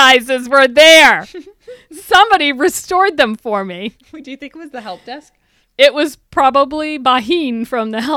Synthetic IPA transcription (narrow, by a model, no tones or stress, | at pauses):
aɪzɨzwə˞ðə˞ | sʌ̃mbɑɾiɹɨstɔɹd̪̚ðɨ̃ɱfə˞mi | widɨjɨθɪ̃ŋkt̚wʌzðɨɦɛlˠp̚d̥ɛsk̚ | ɪʔ̚wʌz̥pʰɹ̥ɑbəblibaɦĩnfɹʌ̃mðɨɦɛ